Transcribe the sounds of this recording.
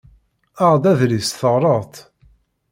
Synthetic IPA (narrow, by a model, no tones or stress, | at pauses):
aʁd̪æðlisθəʁɾˤəʁt̪